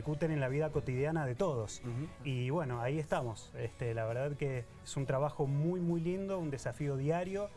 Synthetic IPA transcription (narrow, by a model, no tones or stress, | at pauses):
kut̪enenlaβiðako̞t̪ið̞janaðe̞t̪o̞ðo̞siβwe̞no̞aie̞st̪amo̞sest̪elaβeɾð̞aðke | esunt̪ɾaβaxo̞mujmujlind̪o̞und̪e̞safio̞ðjaɾjo̞